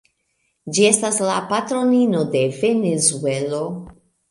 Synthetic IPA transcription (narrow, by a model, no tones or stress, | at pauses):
d͡ʒie̞staslapatɾo̞nino̞de̞ve̞nezue̞lo̞